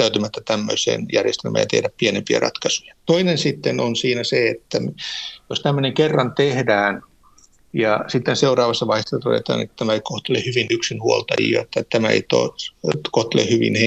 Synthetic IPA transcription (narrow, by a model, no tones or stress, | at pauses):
t̪æyt̪ymæt̪ːæt̪æmːø̰isḛːnjærjest̪elmʔæ̰ːjɑt̪ḛhdæppienempiæ̰rɑ̰t̪kɑsujɑ̥t̪oinensit̪ːenonsiːnæseet̪ːæmjost̪æmːøneŋkerːɑnt̪ehdæːn | jɑsit̪ːenseurɑːʋɑsːɑʋɑihesːɑt̪odḛt̪ɑ̰ːnḛt̪t̪æmæeikoht̪elehyʋinyksinhuolt̪ɑjḭo̰et̪ːæt̪æmæḛit̪o̰ːtkoht̪elḛhhyʋḭnhe